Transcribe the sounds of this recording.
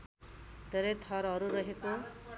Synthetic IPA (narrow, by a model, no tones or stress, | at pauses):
d̪ʱeɾʌjt̪ʰʌɾɦʌɾuɾʌɦeko